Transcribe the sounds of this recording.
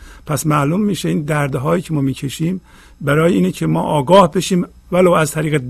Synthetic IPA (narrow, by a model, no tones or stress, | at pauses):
pʰæsmæʔlumːiːʃeiːnd̪æɾd̪ɦɒːjiːcʰemɒːmiːcʰeʃiːm | bæɾɒːjeiːnecʰemɒ̰ːʔɒːɡɒːhbe̞ʃiːm | vælowæzt̪ʰæɾiːɣed̪